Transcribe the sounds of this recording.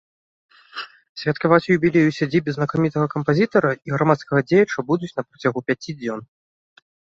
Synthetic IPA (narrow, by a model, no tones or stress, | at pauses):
sʲvʲɐt̪kavat͡sʲujubʲilʲejusʲad͡zʲibʲɛznɐkamʲit̪ɐɣɐkɐmpazʲit̪ɐɾɐiɣɾamat̪skɐɣɐd͡zʲejɐt͡ʂɐbud̪ut͡sʲnɐpɾɐt͡sʲaɣupʲat͡sʲid͡zʲɔn